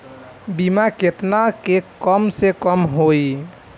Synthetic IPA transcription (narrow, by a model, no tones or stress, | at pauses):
bimaket̪nakekəmsekəmɦoj